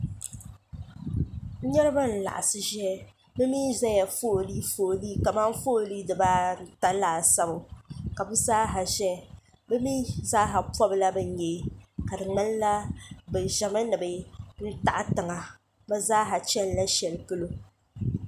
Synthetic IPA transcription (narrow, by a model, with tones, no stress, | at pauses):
ɲɛ˦ɾɨ˦ba˦n̩˨la̰˨ʔa˨sɨ˦ʒɛ˦ | bɨ˦miː˦za˦ja˨fo˦˨li˦foː˨liː˦ka˨ma˦ŋ˦fo˦˨liː˦dɨ˨baː˦n̩˨ta˦laː˨sa˦bo˨ka˨bɨ˦zaː˦ɦa˨ʒɛ˦ | bɛ˦mi˦zaː˦ɦa˨pɔ˦bɨ˨la˦bɨ˦ɲ˦jɛ˨˦ka˨dɨ˨ŋ͡mɛ˦lla˦bɨ˨ʒɛ˨ma˦nɨ˨bɨ˨n̩˦ta̰˨ʔa˦tɨ˨ŋa˨ | ba˦zaː˦ɦa˨t͡ʃɛ˦lla˦ʃɛ˨lkɨ˦lo˦